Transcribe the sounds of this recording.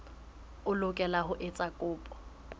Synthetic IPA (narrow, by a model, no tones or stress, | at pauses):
ʊlʊkʼɛlaɦʊʔɪt͡sʼakʼʊːpʼɔ̥